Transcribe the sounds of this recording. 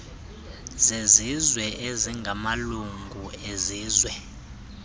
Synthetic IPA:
zezizwɛʔeziŋɡʱamaluŋɡʱueziːzwɛ

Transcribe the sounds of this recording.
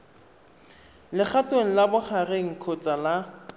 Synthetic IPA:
lɪχateŋ̩labʊχareŋ̩kʰot͡sʼala

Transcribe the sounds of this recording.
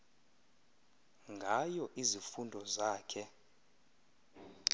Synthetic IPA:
ŋɡʱajɔʔizifundʱɔzaːkʰɛ

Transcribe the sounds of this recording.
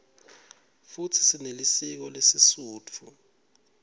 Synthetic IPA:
fut͡sʰi̥sinelisik̬ɔlesisuːt͡fʰu

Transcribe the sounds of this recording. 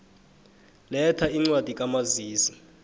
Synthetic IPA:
lɛtʰaiŋ͡ǀwad̥ʱikʼamaziːsi̥

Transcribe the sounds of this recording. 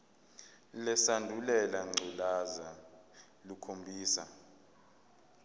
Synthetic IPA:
lɛsandʱulɛlaŋ͡ǀʱilaza | lukʰombʱiːsa

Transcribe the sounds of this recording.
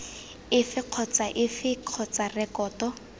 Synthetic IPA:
ɪfɪq͡χʰɔt͡saʔɪfɪq͡χʰɔt͡sarɛkɔːtɔ

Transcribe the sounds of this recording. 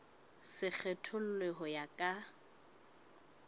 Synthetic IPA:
sɪk͡xʰɛtʰʊl̩leɦɔjakʼa

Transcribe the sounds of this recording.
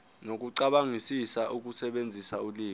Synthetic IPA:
nok̬uǀaɓaŋisisaʔuk̬ʼusɛɓend͡zʱisauliː

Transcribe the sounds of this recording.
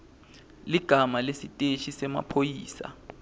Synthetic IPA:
liɡ̥ʱamalesitʼeʃisɛma̰pʰojiːsa̰

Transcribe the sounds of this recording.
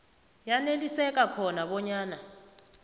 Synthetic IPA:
janelisɛkʼakʰɔnaɓɔɲaːna

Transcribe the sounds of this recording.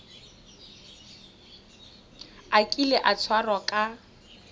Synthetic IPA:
akʼilɛʔat͡sʰwarɔkʼa

